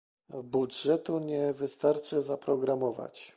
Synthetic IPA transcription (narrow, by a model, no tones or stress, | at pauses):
budʐɛt̪uɲɛvɘst̪aɾt͡ʂɘzapɾɔɡɾamɔva̰t͡ɕ